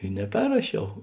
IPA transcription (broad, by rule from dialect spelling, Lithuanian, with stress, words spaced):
ɪ nʲɛˈpʲɛrrɐʃʲɛʊ